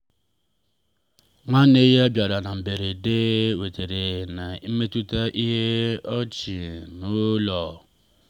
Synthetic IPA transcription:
ŋa˦ne˦je˦a˦bja˨ɾa˨na˨m̩˨be˨ɾe˨de˦we˨te˨ɾe˨na˨i˦me˦tu˦ta˦ʔi˦ɦe˦ɔ˦t͡ʃi˨nu˦lɔ˨

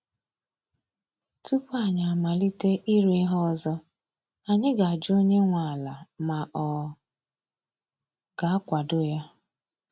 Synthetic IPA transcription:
tu˦pa˨ɲa˨a˨ma˨li˦te˦ʔi˦ɾi˦ɦɔ˦zɔ˦ | a˨ɲɪ˦ɡa˨a˨d͡ʒo˦ɲe˦ŋʷa˨a˨la˨ma˨ʔɔ˨ | ɡ̥a˨a˦kʷa˨dʊ˦ja˦

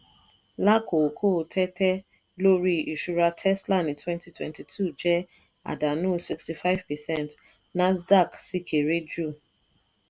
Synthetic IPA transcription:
la˦ko˨kʰo˦˨tʰɛ˦tɛ˦ | lo˦ɾi˦i˨ʃu˦ɾa˧tʰɛ˦sla˦˨nĩ˨tʰwɛ̃˦nti˦twɛ̰̃˨nti˨tʰu˦˨d͡ʒɛ˦ | a̰˨da˨nũ˦˨si˨ksti˨fa˦ɪ˦vpɛ˨sɛ˦nt | na˦zda˦˨ksi˦kʰe˨ɾe˦d͡ʒu˦˨

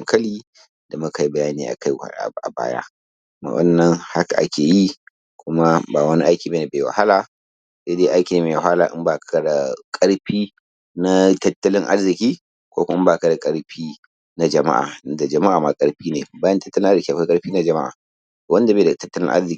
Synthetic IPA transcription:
ŋkʰɐ˦liː˦ | d̥a˨mʊ˦ka˨ji˦bɐ˨jaː˦niː˦ʔa̰˨ka˦jha̰˨ɽa̰˨ʔa̰˨ba̰ː˦ja̰˦ | ma̰˨ʔɐ̰˦nːɐ˦ŋha˦ka˨ʔa̰˦kʲeː˨ji˦ | kʷʊ˦ma˦baː˨wɐ˦ni˦ʔa˦jkʲiː˨ba˦na˨beː˨wa̰˨ha˦laː˨ | se˦deː˦ʔa˦jkʲiː˨neː˨meː˨ɦaː˦laː˨ʔɪ̰˦mbaː˨kka˦da˨kʼɐ˦ɽɸiː˦ | na˦tɐ˦tːɐ˦lɪ˦ŋʔa̰˦rzɪ˨kʲiː˦ | kʷo̰˦kʷʊ˦m˦ɪ˦mba˦˨ka˨da˨kʼɐ˦ɽɸiː˦ | na˦d͡ʒɐ˨ma̰˦ʔa̰ː˨˦da˨d͡ʒɐ˨ma˦ʔaː˨ma˦kʼɐ˦ɽɸiː˦neː˨baː˦jɐ˦ntɐ˦tːɐ˦lɪ˦ŋʔa˦zkʲiː˦˨kʷkʼɐ˦ɽɸiː˦na˦d͡ʒɐ˨ma̰˦ʔa̰ː˨ | to˨wɐ˦nda˨beː˦˨da˨tɐ˦tːɐ˦lɪ̰˦ŋʔa̰˦rzɪ˨˦

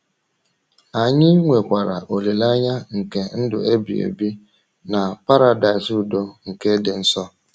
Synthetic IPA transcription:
a˨ɲɪ˦ŋʷe˨kʷa˨ɾa˨ʔo˨le˨la˦ɲa˦ŋ̩˨ke˦n̩˦dʊ̰˨e˦bi˨ḛ˨bi˦ | na˨pa˦ɾa˨da˨ɪ˨su˨do˦ŋ̩˨ke˦dɪ˨n̩˦sɔ˦

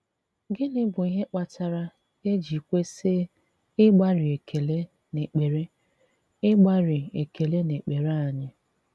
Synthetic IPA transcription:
ɡɪ˦nɪ˦bʊ˨i˦ɦe˦k͡pa˦ta˦ɾa˦ | e˦d͡ʒi˨kʷe˦sɪ˦ | ɪ˦ɡ͡ba˦ɾɪ˨e˨kʰe˨le˦ | ne˨k͡pe˨ɾe˦ | ɪ˦ɡ͡ba˦ɾɪ˨e˨ke˨le˦ne˨k͡pe˨ɾa˦a˨ɲɪ˦

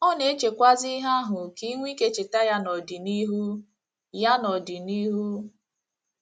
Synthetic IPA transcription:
ɔ˦ne˨e˦t͡ʃe˨kʷa˦zi˦ɦa˦ɦʊ˨ki˦ŋʷi˦ke˦t͡ʃɪ˨ta˦ja˦nɔ˨di˨ni˦ɦu˦ | ja˦nɔ˨di˨ni˦ɦu˦

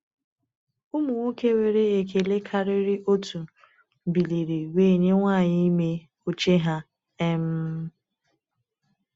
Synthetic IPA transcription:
ʊ˦mʊ˨ŋʷu˦ke˦we˨ɾe˦e˨ke˨le˦kʰa˦ɾɪ˦ɾɪ˦ʔo˦tu˨ | m̩˨bi˨li˨ɾi˨weː˦˨ɲe˦ŋʷaː˦˨ɲɪ˦me˦ | o˦t͡ʃe˦ɦa˦ | ɛ˦m̩˦

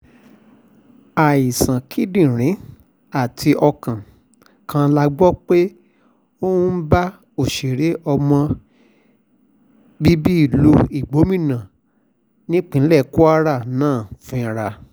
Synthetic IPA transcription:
a˨i˨sã˨kʰi˦dĩ˦˨ɾ̃ĩ˨˦ | a˦˨tʰi˧ʔɔ˧kã˨ | kʰã˧la˧ɡ͡bɔ˦k͡pe˦ | o˦ũ˦ba˦ | o˨ʃe˨ɾe˨˦ʔɔ˧mɔ̃˧ | bi˦bi˦i˦˨lo˧i˨ɡ͡bo˨˦mĩ˦˨nã˨ | nĩ˦k͡pĩ˦n̩˦lɛ˦˨ku˦a˦ɾa˦˨nãː˦˨fĩ˧ɾa˧

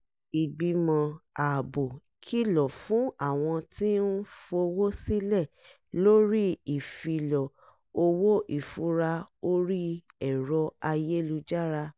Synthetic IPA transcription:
i˨ɡ͡bi˧mɔ̃˧a˨bo˨ | kʰi˦lɔ˨fũ˨˦a˦˨w̃ɔ̃˧ti˦n̩˦fo˧wo˦si˦lɛ˦˨ | lo˦ɾi˦i˨fi˧lɔ˨ | o˧wo˦ʔi˦˨fu˨˦ɾa˧o˦ɾi˦ | ɛ˦˨ɾɔ˧a˧je˦lu˧d͡ʒa˦ɾa˧

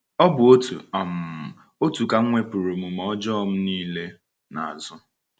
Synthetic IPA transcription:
ɔ˦bʊ˨o˦tṵ˨a˨m̩˨ | o˦tu˨ka˦ŋ̩˦ŋʷe˦pu˨ɾo˨mu˨m̩˨ɔ˦d͡ʒɔ˦m̩˦niː˦le˦ | na̰˨a˨zʊ˦

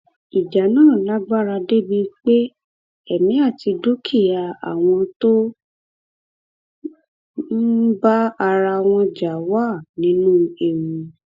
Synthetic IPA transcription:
i˨d͡ʒa˨nãː˦˨la˦ɡ͡ba˦ɾa˧de˦bi˧k͡pe˦ | ɛ˦˨mĩ˨˦a˦˨ti˧do˦kʰi˦˨ja˧a̰˨w̃ɔ̃˧to˦ | m̩˦ba˦a˧ɾa˧w̃ɔ̃˧d͡ʒa˨wa˦˨nĩ˨˦nũ˦e˨wũ˨˧

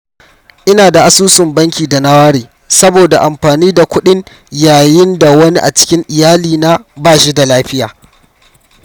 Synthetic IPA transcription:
ʔɪ˦naː˨da˨ʔa˨suː˦sɪ˨mbɐ˦ŋkʲiː˨da˨na˦waː˦ɽeː˨ | sɐ˦boː˨da˨ʔa˨mɸaː˨niː˦da˨kʷʊ˦ɗɪ˦ŋ | jaː˨jɪ˦nda˨wɐ˦ni˦ʔa̰˨t͡ʃɪ̥˦kʲɪ˦ŋʔɪ˨jaː˦liː˨na˦baː˦ʃi˦da˨laː˦ɸɪ˦ja̰ː˨

